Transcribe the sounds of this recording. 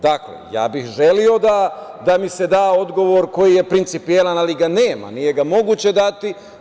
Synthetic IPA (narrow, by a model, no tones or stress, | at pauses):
d̪aklḛja̰ːbixʒelio̞d̪ad̪amise̞d̪aːo̞d̪ɡo̞ʋo̞ɾko̞jije̞pɾint̪sipielanaliɡane̞ːma̰nije̞ɡamo̞ɡuːt͡ɕe̞d̪at̪i